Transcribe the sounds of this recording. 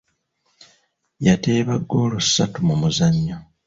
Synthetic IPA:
jate̞ːβaɡːo̞ːlusːatumumuzaɲːo

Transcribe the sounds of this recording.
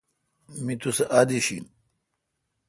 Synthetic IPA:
mit̪useʔad̪iɕḭn

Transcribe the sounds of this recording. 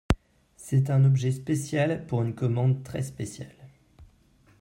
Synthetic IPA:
sɛt̪̬ɛ̃nɔbʒɛspesjalpuʁynkɔmɑ̃d̪t̪χɛspesjal

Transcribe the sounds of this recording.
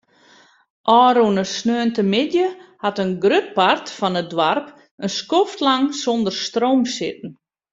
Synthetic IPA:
ʔɔːɾunəsnøːəntəmɪdjəhatənɡrøt̚partfɔnət̚dwarp | ənskoftlaŋsondərstroːmsɪt̚ən̩

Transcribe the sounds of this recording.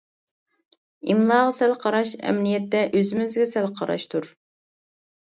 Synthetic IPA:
imlˠɑːʁɑsɛlqʰɑɾɑʃɛ̰mnijɛt̪ːɛʔøzɪmɪzɡʲɛsɛlqʰɑɾɑ̰ʃt̪ʰuɾ

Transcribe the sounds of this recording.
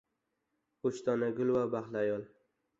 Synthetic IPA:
oʃt̪ɒnaɡʲʊlwabaχlajɒlˠ

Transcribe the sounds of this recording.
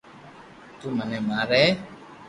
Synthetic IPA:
t̪umãnɛ̃mãɾɛ

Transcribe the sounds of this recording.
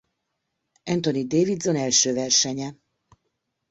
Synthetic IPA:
ɛnt̪onid̪eːvid̪zo̞nɛlʃøːvɛrʃɛɲɛ

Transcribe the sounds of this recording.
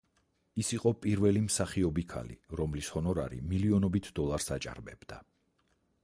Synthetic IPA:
isiqʼɔpʼiɾvɛlimsaχiɔbikʰa̰lḭɾɔmlishɔnɔɾa̰ɾḭmiliɔnɔbit̪ʰd̪ɔlˠaɾsat͡ʃʼa̰ɾbɛb̥d̪̥a

